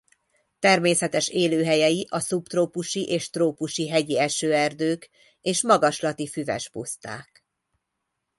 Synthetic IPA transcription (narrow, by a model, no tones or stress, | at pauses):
t̪ɛrmeːsɛt̪ɛʃeːløːɦɛjɛjiʔɒsupt̪roːpuʃiʔeːʃt̪roːpuʃiɦɛɟiɛʃøːɛrd̪øːk | eːʃmɒɡɒʃlɒt̪ifyvɛ̰ʃpṵst̪a̰ːk